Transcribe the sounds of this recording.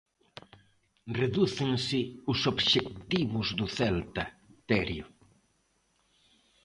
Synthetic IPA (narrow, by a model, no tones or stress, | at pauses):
reðuθɪŋsɪʊsoβʃek̚t̪iβʊzðʊθɛlt̪ɐt̪ɛɾjʊ